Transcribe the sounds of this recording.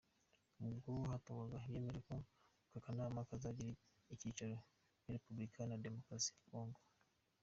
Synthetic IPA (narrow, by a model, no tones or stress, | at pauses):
mubɡuhatuŋaɡaiβje̞ːme̞ɾeko | kakanamakazaɟiɾi | iciːt͡ʃaɾo | jaɾepublikʰanade̞mo̞kɾasiako̞ːŋɡo